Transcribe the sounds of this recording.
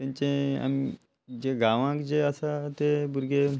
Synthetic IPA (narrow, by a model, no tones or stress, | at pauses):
t̪ãɲt͡ɕẽa̰mi | d͡ʑeɡaʋãkd͡ʑeəsat̪ebuɾɡe